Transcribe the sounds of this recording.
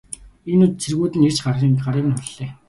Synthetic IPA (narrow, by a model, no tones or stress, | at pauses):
enut̪̚t͡sʰerɣuːt̪ɘ̆nert͡ɕɢarʁiːŋɢaɾiːnʊɮːeː